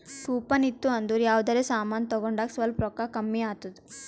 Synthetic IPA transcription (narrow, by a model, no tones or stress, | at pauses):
kuːpɐnit̪ːuɐnd̪uɾjaːʋd̪ɐɾesaːmaːnt̪ɔɡoɳɖaːksʋɐlpɾɔkakɐmːiaːt̪ud̪u